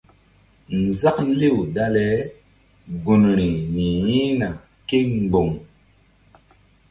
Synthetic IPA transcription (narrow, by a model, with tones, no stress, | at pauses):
n˨za˦kn˦le˦˨wda˦lɛ˨˦ | ɡu˨nɾi˨mi˨jĩ˦na˨ | ke˦ŋ˨ɡ͡bo˨ŋ